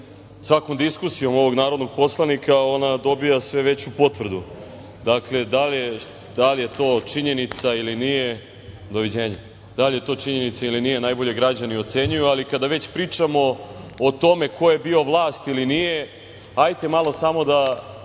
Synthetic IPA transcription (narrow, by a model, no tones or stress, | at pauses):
sʋakomd̪iskusijo̞mo̞ʋo̞ɡnaːɾod̪noɡ̚po̞slˠanikao̞nad̪o̞bijasʋe̞ʋe̞t͡ɕupo̞t̪ʋr̩d̪u | d̪akle̞d̪alje | d̪̥alije̞t̪o̞ːt͡ʂiɲe̞nit̪sailinije̞ | d̪o̞ʋid͡ʑe̞ːɲe | d̪̥alijet̪o̞ːt͡ʂiɲe̞nit̪sailinijenajbo̞ʎe̞ɡɾad͡ʑanio̞t̪se̞ɲujualikad̪aʋe̞t͡ɕpɾiːt͡ʂamo̞ːt̪o̞me̞kʰo̞je̞bio̞ʋlˠaːst̪ilinije̞ | ajt̪e̞malˠo̞samo̞d̪a